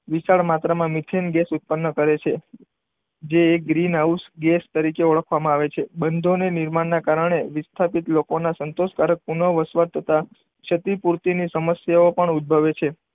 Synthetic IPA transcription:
ʋisaɭmat̪ɾamãmɪt̪ʰenɡɛsut̪̚pənːəkəɾet͡ʃʰe | d͡ʒeːk̚ɡɾinausɡɛst̪əɾikeoɭəkʰʋamãaʋet͡ʃʰebənd̪ʱonenɪɾmaɳːakaɾəɳ̃eʋɪst̪ʰapit̪lokonasənt̪oʃkaɾək̚punəʋəsʋaɾt̪ʰət̪a | t͡ʃʰət̪ipuɾt̪inisəməsjaopəɳud̪̚bʱəʋet͡ʃʰe

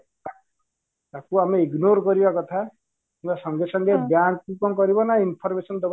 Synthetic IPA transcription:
t̪akuameiɡnoɾkɔɾibakɔt̪ʰa | t̪imbasɔŋɡesɔŋɡebjaŋkkukɔŋkɔɾibɔnainpʰɔɾmesɔnd̪ɔb

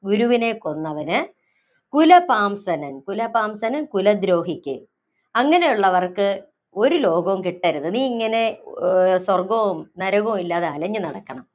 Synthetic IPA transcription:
uɾuʋine̞kːo̞nːɐʋɐnɨ | kulɐpaːmsɐnɐnkulɐpaːmsɐnɐnkulɐd̪ɾo̞ːɦikʲːɨ | ɐŋːɐne̞juɭːɐʋɐrkɨ | o̞ɾulo̞ːɡɐʋumkiʈːɐɾuðɨniːiŋːɐne̞ | swɐrɡɐumnɐɾɐɣɐilːaːðeɐlɐɲːɨnɐɽɐkːɐɳɐm

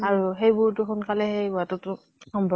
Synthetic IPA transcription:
aɹuɦejbʊɹtʊxʊnkalɛhejbuatʊtʊ | xɔmbʱɔ

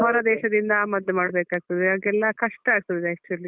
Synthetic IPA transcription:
ɦɐɾɐd̪ɛːʃɐd̪ind̪ɐmɐd̪ːemaːɽbeːkaːɡ̚t̪ɐd̪eɐɡɛlːɐkɐʂʈɐaːɡ̚t̪ɐd̪d̪eɐsʈɐlːi

